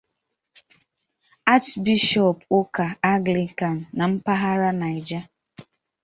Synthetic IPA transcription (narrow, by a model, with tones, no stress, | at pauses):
a˦t͡ʃbi˦ʃɔ˨po˦ka˨a˦ɡli˨ka˨n̩ː˨a˨m̩˦pa˦ɦa˦ɾa˦na˨ɪ˨d͡ʒa˦